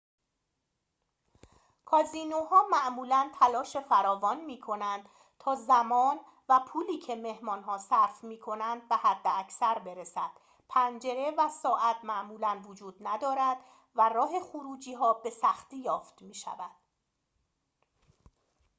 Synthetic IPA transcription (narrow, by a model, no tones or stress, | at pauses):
kʰɒːziːnoɦɒːmæʔmuːlænt̪ʰælɒːʃe̞fæɾɒːvɒːnmiːkʰo̞nænd̪̥ | t̪ʰɒːzæmɒːn | væpʰuːliːcʰe̞me̞hmɒːnɦɒːsæɾfmiːkʰo̞nænd̪̚behæd̪ːeæcsæɾbe̞ɾe̞sæd̪̥ | pʰænd͡ʒe̞ɾe̞væsɒːʔæt̪ʰmæʔmuːlænvod͡ʒuːd̪̥̚næd̪ɒːɾæd̪̥ | værɒːɦe̞xuɾuːd͡ʒiːɦɒːbe̞sæxt̪iːjɒːft̪miːʃæ̰væd̪̥